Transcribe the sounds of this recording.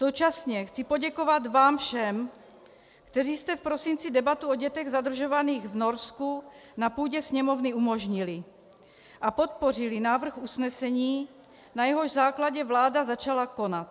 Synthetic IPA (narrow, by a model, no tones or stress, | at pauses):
sowt͡ʃasɲɛxt͡sipoɟɛko̞vat̪vaːmfʃɛm | kt̪ɛriːst̪ɛfpɾo̞sint͡sidɛbat̪uo̞ɟɛt̪ɛɣzad̪r̩ʒo̞vaniːɣvno̞ɾskunapuːɟɛsɲɛmo̞vnɪumoʒɲilɪ | ʔapo̞t̪̚po̞r̝ɪlɪnaːvr̩xusnɛsɛɲiː | najɛɦo̞ʒzaːklaɟɛvlaːdazat͡ʃalako̞nat̪̚